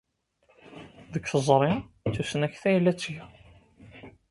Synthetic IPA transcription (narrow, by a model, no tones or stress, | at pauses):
ðəkːθəzˤɾˤi | t͡sːusənæçθæjəlːæt͡sːʝæ